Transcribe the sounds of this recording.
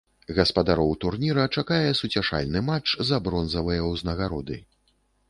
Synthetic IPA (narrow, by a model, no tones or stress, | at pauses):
ɣɐspɐd̪aɾɔwt̪urnʲiɾɐt͡ʂakajɛsut͡sʲaʂa̰lʲnɨmat͡ʂzabɾɔnzɐvɨjɐwznɐɣaɾɔd̪ɨ̰